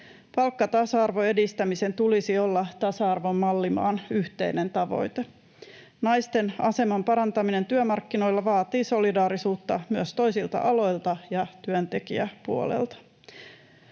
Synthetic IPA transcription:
pɑlkːɑt̪ɑsɑɑrʋo̞e̞dist̪æmise̞nt̪ulisio̞lːɑt̪ɑsɑɑrʋo̞mːɑlːimɑ̰ːnyht̪e̞ine̞nt̪ɑʋo̞̰jt̪e | nɑjst̪e̞nɑ̰se̞mɑmpɑɾɑnt̪ɑmine̞nt̪yømɑrkːino̞jlːɑʋɑːt̪iːso̞lidɑːɾisuːt̪ːɑmyøst̪o̞jsilt̪ɑ̰ʔɑlo̞jlt̪ɑjɑt̪yønt̪e̞kḭæpuo̰lḛlt̪ɑ̥

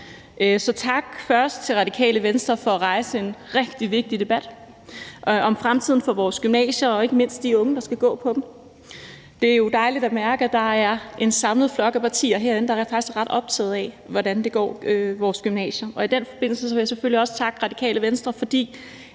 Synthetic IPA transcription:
ʔsɒ̽t͡sʰɑ̈ɡ̥fɶɐsd̥̚t͡sʰe̝lʁɑ̈ɾ̥ikʰɛ̰ːləʋensd̥ʁɐfɒ̽æʁɑ̈ɪsəe̝nʁɛɡ̥d̥iʋe̝ɡ̥̚d̥id̥e̝b̥æd̥ | ʔʔɒ̽mfʁamt͡sʰið̰ˠn̩fɒ̽ʋɒːsɡ̥ymnɛ̰ːɕɐɒ̽e̝ɡ̥əme̝n̰sd̥̚iɔ̽ŋəd̥ɑ̈sɡ̥æɡ̥ɔ̰̽ːpʰɒ̽d̥m | d̥e̝æɐjo̝d̥ɑ̈ɪlid̥æmæɐɡ̥əæd̥ɑ̈æɐʔe̝nsɑ̈mləð̩ˠflɒ̽ɡ̥æpʰɑ̈t͡sʰḭːɐɦeɐe̝nəd̥ɑ̈ɐfɑ̈ɡ̥isɡ̥ʁɑ̈d̥ɒ̽b̥̚t͡sʰɛ̰ːð̞̩ˠɛ | ʋɒdænd̥e̝ɡ̥ɒ̰ːøʋɒːsɡ̥ymnɛ̰ːɕɐɒ̽id̥en̰fɒ̽b̥e̝n̰l̩səs̬ɒʋejaseføliɒ̽sə̥t͡sʰɑ̈ɡ̥ʁɑ̈d̥ikʰɛ̰ːləʋensd̥ʁɐfɒ̽d̥ḭː

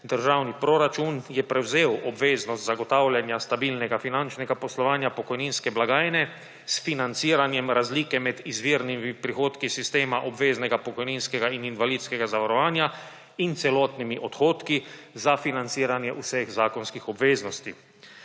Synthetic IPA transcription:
d̪əɾʒaːwnipɾoɾat͡ʃunjɛpɾɛwzeːwɔbʋeːznɔst̪zaɡɔt̪aːwljanjast̪abiːlnɛɡafinant͡ʃnɛɡapɔslɔʋaːnjapɔkɔjninskɛblaɡaːjnɛ | sfinant̪siːɾanjɛmɾazliːkɛmɛd̪izʋiːɾnimipɾixoːt̪kisist̪eːmaʔɔbʋeːznɛɡapɔkɔjninskɛɡaininʋalid̪skɛɡazaʋaɾɔʋaːnja | int̪sɛlɔːt̪nimiʔɔt̪xoːt̪kizafinant̪siːɾanjɛʔusɛɣzaːkɔnskixɔbʋeːznɔst̪i

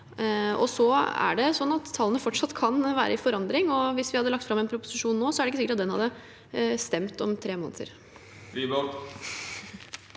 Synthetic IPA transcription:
ɔ̰sɔæ̰ɖɛsɔnːɑt̪ʰːɑlːənəfɔʈʂɑt̪ːkʰɑnʋæ̰ːɾəɪfɔɾɑnd̪ɾɪŋɔʋɪsʋɪhɑd̪ːəlɑkt̪fɾɑmɛnpʰɾʊpʊ̥sɪʂuːnːoːsɔæɾɖɛɪkːəsɪkəʈɑt̪d̪ɛnhɑ̰d̪ːə | st̪ɛmt̪ɔmt̪ʰɾeːmo̰ːnət̪ə̰ɾ | ɾiːbɔl

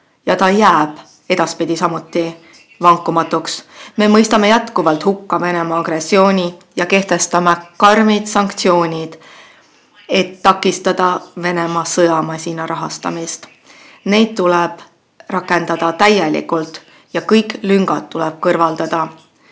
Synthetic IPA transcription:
jɑt̪ɑjæːb̥ | e̞d̪̥ɑspid̪̥ʲisɑmut̪ːˑi | vɑŋkːˑumɑt̪ːˑuksme̞mɤjst̪ɑme̞jæt̪kuvɑlt̪ˑhukːɑve̞ne̞mɑɑɡ̥re̞sːio̞ːnʲijɑke̞ht̪e̞st̪ɑmekɑrmid̪̥sɑŋkt̪sio̞ːnʲid̪̥ | e̞t̪ːɑkːˑist̪ɑd̪̥ɑve̞ne̞mɑsɤjɑmɑsʲinɑɾɑɦɑ̰st̪ɑ̰mist̪ | ne̞jd̪̥̚t̪ːulɛb̥ | rɑkːˑe̞nd̪̥ɑd̪ɑt̪æjelḭkult̪ˑ | jɑkɤjkˑlyŋɡɑt̪t̪ːulɛb̥̚kɤrvɑld̪̥ɑd̪̥ɑ

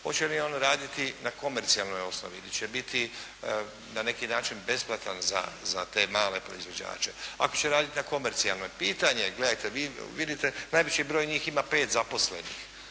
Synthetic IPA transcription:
ho̞̰t͡ʃenjionɾaːd̪it̪inako̞meɾt̪sialˠno̞jo̞sno̰ʋḭilit͡ɕebit̪ʰi | nane̞kinaːt͡ʃinbe̞splˠat̪anza̰zat̪e̞ːmaːle̞pɾo̞izʋo̞d͡ʑa̰ːt͡ʃe̞a̰ko̞t͡ɕeɾaːd̪it̪inako̞meɾt̪sialˠnojpiːt̪aɲe̞ɡle̞d̪ajt̪eʋiːʋid̪it̪enajʋet͡ɕibɾoːjɲiːximape̞ːt̪zapo̞sle̞nḭx

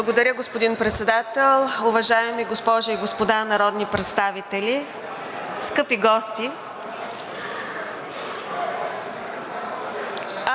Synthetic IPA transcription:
blˠɐɡod̪ɐɾʲjəɡospod̪inpɾɛt̪sɛd̪at̪ɛlˠʊvɐʒaɛmiɡospɔʒɐiɡospod̪anɐɾɔd̪nipɾɛt̪st̪avit̪ɛlʲi | skɤpiɡɔst̪i

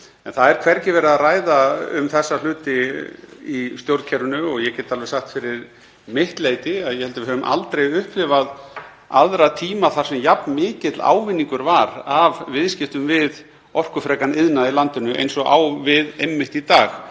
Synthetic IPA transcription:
ɛnθaðɛɾkʰvɛɾcɪvɛːɾaðaraːjðaʏ̰mθɛsːalʏːt̪ɪ | ist̪jowɾt̪cʰɛɾʏnʏɔɣjɛcɛːt̪ːalvɛsːaxt̪fɪɾɪɾ | mɪht̪leːjt̪ɪaðjɛhɛlt̪avɪɦœvʏmʔa̰lt̪ɾejʏhplɪvað | aðɾat̪ʰiːmaθar̥sɛmjapnmɪːcɪt̪la̰ːwvɪnːiŋkʏɾvaɾavvɪðscɪft̪ʏmvɪð | ɔr̥kʏfɾɛːkanɪðnaðilant̪ʏnʏʔḛjnsɔɣa̰wvɪðejmːɪht̪it̪aːx

